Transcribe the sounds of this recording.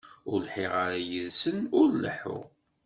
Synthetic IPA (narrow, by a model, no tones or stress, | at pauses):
ʊɾlħiʁaɾajəðsənʊɾlə̰ħʊ̰ʁ